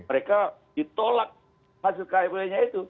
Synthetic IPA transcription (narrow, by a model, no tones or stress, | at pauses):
məɾeka | dit̪olak̚ | hasɪlkajabulaɲait̪u